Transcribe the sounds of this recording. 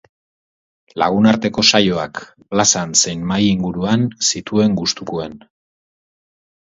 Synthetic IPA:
la̰ɣ̞unaɾt̪e̞ko̞sajo̞ak | plasansejnmajiŋɡuɾuansit̪ue̞ŋɡust̪ukuen

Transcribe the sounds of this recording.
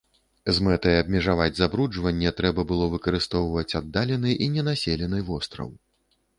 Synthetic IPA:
zmɛt̪ɐjabmʲɛʐavad͡zʲzabɾud͡ʐvɐnʲːɛt̪ɾɛbɐbɨlˠɔvɨkɐɾɨst̪ɔwvɐt͡sʲad̪ːalʲɛnɨjʔinʲɛnasʲɛlʲɛnɨjvɔst̪ɾɐ̰w

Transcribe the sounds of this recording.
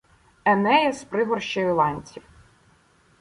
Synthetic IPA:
ɐnɛjɛspɾɪɦɔrʃt͡ʃɔjʊlˠɑnʲt͡sʲiw

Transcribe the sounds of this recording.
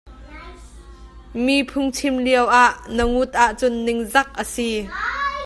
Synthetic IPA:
miːpʰʊŋt͡sʰɪmliəwʔaʔnəŋut̪̚ʔaʔt͡sʊnːɪŋzɐk̚ʔəsi

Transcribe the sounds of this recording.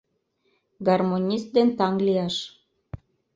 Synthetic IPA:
ɡɑrmonʲist̪̚d̪ent̪ɑŋɡliɑʃ

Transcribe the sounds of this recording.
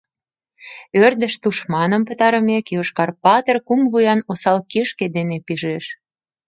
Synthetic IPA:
ørd̪ə̆ʃt̪uʃmɑnə̆mpə̆t̪ɑɾəmekjoʃkɑrpɑt̪ərkumvujɑnosɑlkiʃked̪enepiʒeʃ

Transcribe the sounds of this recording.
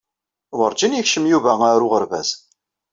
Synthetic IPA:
wəɾd͡ʒinjəçʃəmjuvæaɾʊʁəɾvæ̰z̥

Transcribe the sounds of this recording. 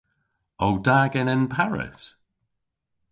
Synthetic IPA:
owdaːɡɛnɪnpʰaɹɪ̰s

